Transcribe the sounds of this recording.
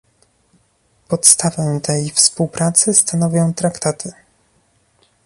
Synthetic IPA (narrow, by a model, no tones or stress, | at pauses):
pɔt̪st̪avɛt̪ɛjfspuwpɾat̪sɘst̪anɔvʲjɔ̃w̃t̪ɾakt̪at̪ʰɘ